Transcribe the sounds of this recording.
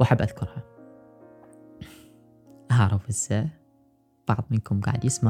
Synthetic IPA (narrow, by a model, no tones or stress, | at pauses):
waħabːʔaðkʊɾha | ʔaaʕɾˤɑfʔɪz̥ːa | b̥ɑʕðˤmɪnkʊmɡa̰ʕəd̪jɪsma